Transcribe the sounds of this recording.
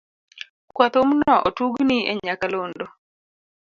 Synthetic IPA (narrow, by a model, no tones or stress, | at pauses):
kwat̪omnɔʔotuɡniḛɲakalondo